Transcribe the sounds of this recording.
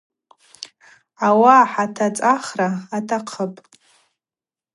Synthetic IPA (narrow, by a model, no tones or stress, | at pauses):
awaħatʰat͡sʼaχraːtʰaqʰəpʼ